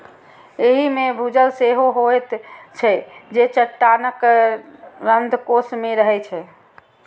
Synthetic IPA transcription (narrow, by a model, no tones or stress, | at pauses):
eɦimebʱud͡ʒəlseɦoɦojt̪t͡ʃʰɛd͡ʒet͡ʃəʈːanək | ɾənd̪ʱkosmeɾəɦɛt͡ʃʰɛ